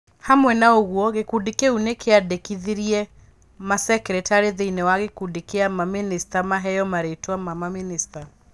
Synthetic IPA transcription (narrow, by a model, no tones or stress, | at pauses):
hamwɛnaoɣuɔɣekudikeunekʰeadekiðiɾiɛ | masɛkɾɛtaɾeðeinewaɣekudikeamaministamaɦɛjɔmaɾetwamamaminista